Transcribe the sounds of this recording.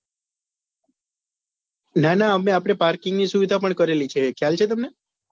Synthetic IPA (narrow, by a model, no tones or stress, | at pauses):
nanaəmeapɽ̃epaɾkɪŋɡnisuʋid̪ʱapəɳkəɾelit͡ʃʰekjalt͡ʃʰet̪əmne